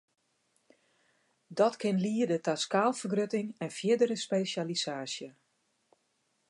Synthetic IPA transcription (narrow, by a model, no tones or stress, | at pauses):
dɔtkʰɪnliːədətaskaːlˠfərɡrøtɪŋɛnfjɪdəɾəspeːsalisaːsjə